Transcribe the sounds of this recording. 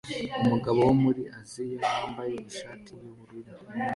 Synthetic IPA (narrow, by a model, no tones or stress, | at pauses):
umuɡaβowomuɾiʔazijeaːmbajeuʃaːtʰijuβuɾiɾo